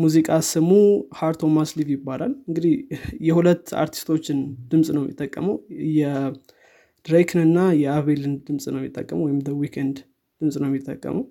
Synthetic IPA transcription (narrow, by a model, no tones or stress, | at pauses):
muzikʼasɨmuhaɾt̪ʰo̞maslivjɪbːalalɨŋɡɨd̪ihjɛhulət̪ːa̰ɾt̪ʰi̥st̪ʰo̞t͡ʃːɪnd̪̥ɨmsʼnəwjmjɪ̰t̪ʼːəkʼːəməwjɛ | d̪̥ɾekʰnɨnːajɛaβelɨnd̪ɨmsʼnəwmɪt̪ʼːə̰kʼːəməwɔjɪmd̪əwikʰɛnd̪ | d̪̥ɨmsʼnəwjɛmːjɪt̪ʼːə̰kʼːə̰məw